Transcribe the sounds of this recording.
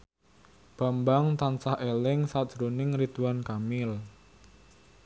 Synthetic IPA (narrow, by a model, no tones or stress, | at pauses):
b̥a̤mbaŋt̪ansahʔelɪŋsad̥ʒ̥ɾonɪŋrit̪uwankamɪl